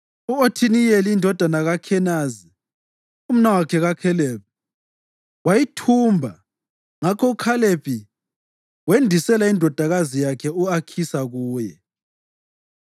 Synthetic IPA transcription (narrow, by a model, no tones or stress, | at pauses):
uotʰinijelːndʱɔd̥ʱanaɣakʰɛnaːzi | um̩nawakʰɛɣakʰɛleːp̚i | wajitʰuːmbʱa | ŋakʰɔukʰalepʰʼi | wendʱisɛlaindʱɔd̥ʱaɣazijakʰɛuakʰisaɣuːjɛ